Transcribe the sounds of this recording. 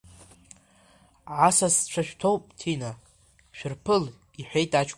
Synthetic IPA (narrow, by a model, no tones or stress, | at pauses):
ʕasast͡ʃʷʰaʃᶣtʰowpʼtʰina | ʃᶣɪrpʰɨl | iħʷᶣejtʼat͡ʃʰʼk